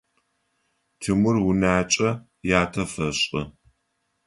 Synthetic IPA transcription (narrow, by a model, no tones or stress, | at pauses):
tʰɨmʊrwʊnaːt͡ʃʼɐ | jaːtʰɐfɐɕʼɐ̰